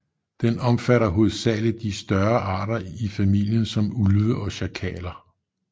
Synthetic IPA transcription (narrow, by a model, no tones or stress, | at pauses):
d̥enɒ̽mfæɾɐɦo̝ðˠsɛləd̥isd̥ɶɐʔɑ̈ːɾ̥ɐifæmil̰jənsɒ̽mulʋəʔɒ̽ɕækʰɛ̰ːlɐ